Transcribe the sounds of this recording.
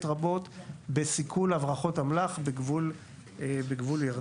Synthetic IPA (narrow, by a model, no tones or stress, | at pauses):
t̪ʁabo̞t̪besikʰulavʁaχo̞thamlaχbeɡvul | beɡvuljaʁ